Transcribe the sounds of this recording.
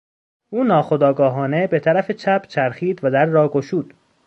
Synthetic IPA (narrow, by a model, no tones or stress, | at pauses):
ʔuːnɒːxo̞d̪ɒːɡɒːɦɒːne̞be̞t̪ʰæɾæfet͡ʃʰæbt͡ʃʰæɾxiːd̪væd̪æɾːɒːɡoʃuːd̪̥